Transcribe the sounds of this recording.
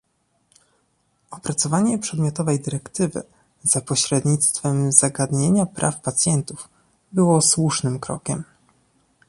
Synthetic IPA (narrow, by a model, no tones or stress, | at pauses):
ɔpɾat̪sɔvaɲɛpʂɛd̪mʲjɔt̪ɔvɛjd̪ɘɾɛkt̪ɘvɘ̰ | z̥apɔɕɾɛd̪ɲit̪st̪fɛmzaɡad̪ɲeɲapɾʔa̰fpat̪sʲjɛnt̪uv | bɘwɔswuʂnɘmkɾɔ̰kʲɛm